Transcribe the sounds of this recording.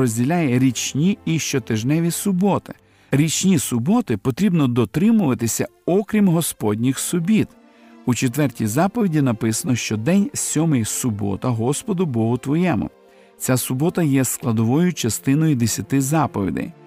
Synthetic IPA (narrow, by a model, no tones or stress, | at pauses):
ɔzʲdʲilʲajɛɾʲit͡ʃnʲiiʃt͡ʃɔt̪ɪʒnɛʋʲisʊbɔt̪ɪ̥̰ | ɾʲit͡ʃnʲisʊbɔt̪ɪpɔt̪ɾʲibnɔd̪ɔt̪ɾɪmʊʋɐt̪ɪsʲɐ | ɔkɾʲimɦɔspɔdʲnʲixsʊbʲit̪ | ut͡ʃet̪ʋɛrtʲijzɑpɔʋʲidʲinɐpɪsɐnɔʃt͡ʃɔd̪ɛnʲsʲɔmɪjsʊbɔ̰t̪ɐɦɔspɔd̪ʊbɔɦʊt̪ʋɔjɛmʊ̰ | t͡sʲasʊbɔt̪ɐjɛsklˠɐd̪ɔʋɔjʊt͡ʃɐst̪ɪnɔjid̪esʲɐt̪ɪzɑpɔʋʲḭd̪ɐ̰j